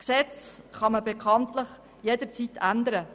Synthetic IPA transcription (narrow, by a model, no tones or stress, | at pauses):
ksɛt͡s | χɑməbekʰɑntləχ | jedət͡sitʰænd̪əɾə